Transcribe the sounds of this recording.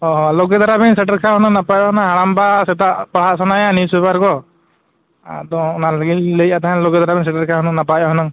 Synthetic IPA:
ɔɦɔloɡɛd̪aɾabɛnsɛʈəɾkʰaɦɔnɔŋnapajɔɔnaɦaɽambasɛt̪aʔpaɽ̤aʔsɔnajanisbɛbaɾkɔ | d̪ɔɔnalaɡiləjat̪aɦɛnloɡɛd̪aɾabɛns̬ɛʈəɾkʰaɦɔnəŋnapajɔɦɔnaŋ

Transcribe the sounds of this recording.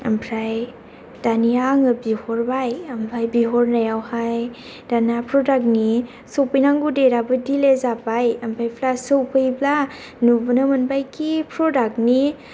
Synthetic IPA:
ɐ̰mpʰɾaj | d̥aniaŋɯbihɔɾbajɐmpʰajbiɦɔɾnajawhaj | d̥anapɾɔdak̚ni | sowpɯjnaŋɡudeɾabɯdilezapajɐmpʰɾajpʰlasowpɯjbla | nubɯnamɯnbajkipʰɾɔdak̚ni

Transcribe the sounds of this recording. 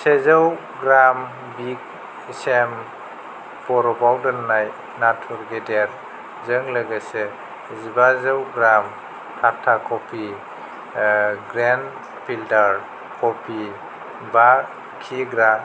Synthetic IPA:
sezaw | ɡɾam | bik̚ | sem | pɔɾɔbawdɯnːaj | natʰɔɾɡedeɾ | zɯŋləɡese | zibazawɡɾam | tʰatʰːakʰɔpʰi | ɡɾen | pʰiltaɾ | kʰɔpʰi | ba | kʰiɡɾa

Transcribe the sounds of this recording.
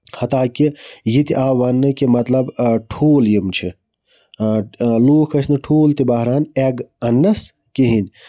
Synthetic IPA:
hɐt̪aːkijit̪iʔaːʋɐnːɨkimɐt̪lɐbʈʰuːljimt͡ʃʰi | loːkʰɐsnɨʈʰoːlt̪ibɐɦɾaːneɡɐnːɐs | kiɦin

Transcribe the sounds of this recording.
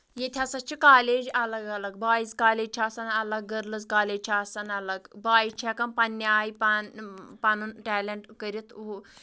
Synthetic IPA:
jet̪ʰʲasɐt͡ʃʰikaːleːd͡ʒɐlɐɡɐlɐɡbaːjiskaːleːd͡ʒt͡ʃʰasɐnɐlɐɡːəɾlɨzkaːleːd͡ʒʲt͡ʃʰʲaːsɐnɐlɐɡbaːit͡ʃʰekɐnpɐnːaːjipanpɐnunʈʲɛːlʲeɳʈkəɾit̪u

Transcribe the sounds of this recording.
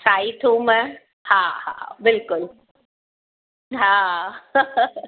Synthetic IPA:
saːit̪ʰũmɛ̃ | haɦa̰bɪlkʊl | ɦaː

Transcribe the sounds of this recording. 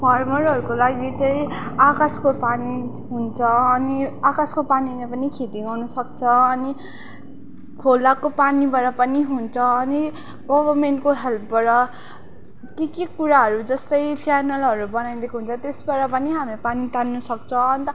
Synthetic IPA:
pʰʌrmʌɾɦʌɾukolaɡit͡saĩakaskopani | ɦunt͡sʰʌʌniakaskopanilapʌnikʰet̪iɡʌwnʌsʌkt͡sʰʌːni | kʰolakopanibʌɾʌpʌniɦunt͡sʰʌːni | ɡʌbʌrmeɳʈkoɦelpʰbʌɾʌ | kekikuɾaɦʌɾud͡zʌst̪ʌjt͡sjanʌlɦʌɾubʌnaĩd̪ekʰoɦunt͡sʰʌt̪esbaɾʌpʌniɦamepanit̪anːʌsʌkt͡sʰʌʌnit̪ʌ

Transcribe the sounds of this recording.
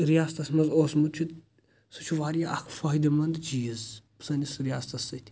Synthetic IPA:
ɾijaːst̪ɐsmɐzoːsmud̪̚ʲt͡ʃʰut̪ | sut͡ʃʰuʋaːɾijaʔɐkʰfɐɦid̪ɐmɐnd̪d͡ʒijizpɨ̥sɐnʲisɾijaːst̪ɐsːɨt̪ʰʲi̥

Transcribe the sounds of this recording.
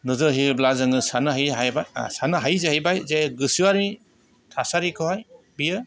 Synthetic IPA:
nɯzɯɦiblazɯŋɯsanɯɦajɦajbaj̰sanɯɦajzehajbajzeɡɯsuaɾi | tʰasaɾikʰɯhaj | bijɯ

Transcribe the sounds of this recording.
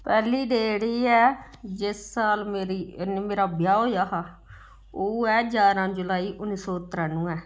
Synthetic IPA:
pɛːliːɖeːɽiːɛːd͡ʒɪsːaːlmeːɾineːmeːɾaːbjaːɦoːjaːɦaː | oːɛːd͡ʒaːɾãːd͡ʒʊlaːiːʔʊnːiːsɔːət̪ɾãːnũːɛː

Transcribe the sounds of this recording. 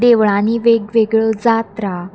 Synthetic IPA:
d̪eʋɭãniʋeɡʋeɡɭəd͡zat̪ɾa

